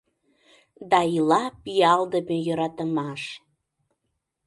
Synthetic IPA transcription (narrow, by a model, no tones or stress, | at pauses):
d̪ɑilɑpijɑld̪əmejoɾɑt̪əmɑʃ